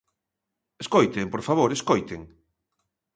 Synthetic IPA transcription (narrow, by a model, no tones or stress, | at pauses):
eskojt̪empoɾfaβ̞oɾeskojt̪eŋ